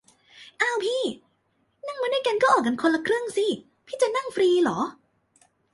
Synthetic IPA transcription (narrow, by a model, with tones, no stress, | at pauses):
ʔa˧˩wpʰiː˥˩ | na˥˩ŋmaː˧du˥˩˨jka˧nkɔː˥˩ʔɔː˨˩ka˧nkʰo˧nla˧kʰɾɯ˥˩əŋsi˧˥˩ | pʰiː˥˩t͡ɕa˨˩na˥˩ŋfɾiː˧lɔː˩˦